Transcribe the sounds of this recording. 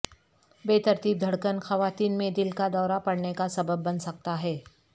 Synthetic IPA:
beːt̪ɐɾt̪iːb̚d̪ʱɐɽkənxɐʋaːt̪iːnmẽd̪ɪlkad̪ɔːɾapɐɽ̤nekasɐbəbːɐnsɐk̚t̪aɦɛː

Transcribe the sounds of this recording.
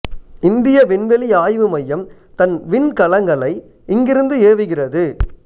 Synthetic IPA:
ɪnd̪ɪjɐʋɪɳʋɛɭiaːjʋɯmɐjːɐm | t̪ɐnʋɪnkɐlɐŋɡɐɭɐɪ | ɪŋɡɪɾɯnd̪ɯeːʋɯɣɪrɐðɯ

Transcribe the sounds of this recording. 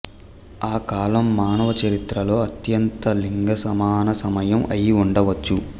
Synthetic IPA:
aːkaːlɐmːaːnɐʋɐt͡ʃɐɾit̪ɾɐlo̞ːɐt̪jɐnt̪ɐliŋɡɐsɐmaːnɐsɐmɐjɐmɐ̰jiuɳɖɐʋɐt͡ʃːu

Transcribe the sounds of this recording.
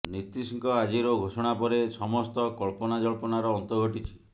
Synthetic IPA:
nit̪ɾisiŋkɔad͡ʒiɾɔɡʱosɔɽ̃apɔɾesɔmɔst̪ɔkɔɭpɔnad͡ʒɔɭpɔnaɾɔːnt̪ɔɡʱoʈit͡ʃʰi̥

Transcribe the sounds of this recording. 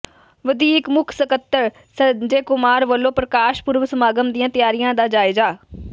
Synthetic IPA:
ʋɐd̪ʱiːkmʊkʰsəkət̪ːəɾ | sɐd͡ʒeːkʊmaːɾʋɐlːoːpɾɐkaːʃpʊɾʋsɐmaːɡəmd̪iãːt̪ɐjaːɾijãd̪aːd͡ʒaːɪzaː

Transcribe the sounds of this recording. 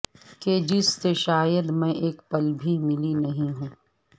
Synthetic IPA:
keːd͡ʒisːeʃaːjəd̪mɛ̃ʔeːkpɐlbʱimɪlinɐɦĩɦũː

